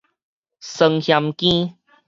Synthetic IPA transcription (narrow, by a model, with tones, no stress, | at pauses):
sə˧ŋhja˧mkĩ˦